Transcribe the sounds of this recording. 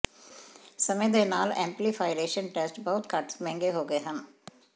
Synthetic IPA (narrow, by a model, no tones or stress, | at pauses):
sɐmẽd̪enaːlɛ̃ːmplifʰaːɪɾeːʃənʈɛsʈbəɦʊt̪kɐʈmɛ̃ːŋɡeɦoːɡəeɦən